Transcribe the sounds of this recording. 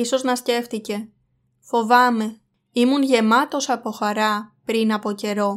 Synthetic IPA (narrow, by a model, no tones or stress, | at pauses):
iso̞znɐsce̞ft̪ice̞ | fo̞vɐme̞ | imunʝe̞mɐt̪o̞sɐpo̞xɐɾɐpɾinɐpo̞ce̞ɾo̞